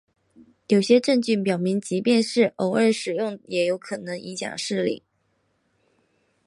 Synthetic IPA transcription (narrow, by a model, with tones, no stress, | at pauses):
jo˨˩ʊɕjɛ˥ʈ͡ʂɤ˥˧ŋt͡ɕy˥˩npjɑ˨˩ʊmi˧˥ŋt͡ɕi˧˥pjɛ˥˧nʂɻ̩˥˩ʔo˧˥ʊə˞˥˧ʂɻ̩˨˩jʊ˥˩ŋjɛ˧˥jo˧˥ʊkʰɤ˨˩nɤ˧˥ŋi˧˥ɕjɑ̰˨˩ŋʂɻ̩˥˧lḭ˥˩˦